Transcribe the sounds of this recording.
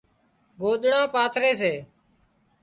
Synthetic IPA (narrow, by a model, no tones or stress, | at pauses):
ɡoːɗ̪ɽãːpaːt̪ʰɾeːs̬eː